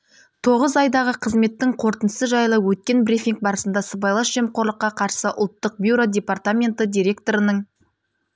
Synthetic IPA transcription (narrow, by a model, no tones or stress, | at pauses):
t̪ʰo̞ʁəzɑjd̪ɑʁəqʰəzme̞t̪ːɪŋqʰo̞ɾt̪ənəsəʒɑjlˠəwɵt̪̚kʲe̞nbrʲifʲiŋk̚bɑɾəsənd̪ɑsəbɑjlˠɑʃʒe̞mqʰo̞ɾlˠəqːɑqʰɑɾsəʔʊ̰lˠt̪ːəq̚bjuɾo̞d̪ʲe̞part̪amʲe̞nt̪əd̪ʲiɾʲe̞kt̪o̞ɾənəɴ